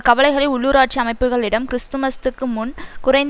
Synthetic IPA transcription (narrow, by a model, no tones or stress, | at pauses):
kɐʋɐɭɐɪɣɐɭɐʊɭːuːɾaːʈ̚t͡ʃiɐmɐɪpːɯɣɐɭɪɽɐmkɪɾɪst̪ɯmɐst̪ɯkːɯmʊnkʊrɐɪnd̪